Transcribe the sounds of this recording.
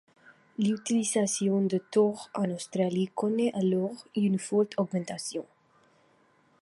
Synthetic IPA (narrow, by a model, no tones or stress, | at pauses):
lyt̪ilizasjɔ̃d̪ət̪ɔʁãnawst̪ɾalikɔnɛʔalɔʁynfɔlt̪ʰɔɡmɛ̃nt̪asjɔ̃